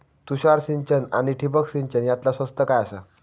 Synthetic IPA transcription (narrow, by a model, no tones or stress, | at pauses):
t̪uɕaɾsiɲt͡ɕəna̰ɽ̃iʈʰip̬əksiɲt͡ɕənjat̪lasʋəst̪əkajasa